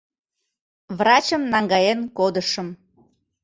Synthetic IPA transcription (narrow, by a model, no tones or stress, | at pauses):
βrɑt͡ɕəmnɑŋɡɑjenkod̪əʃəm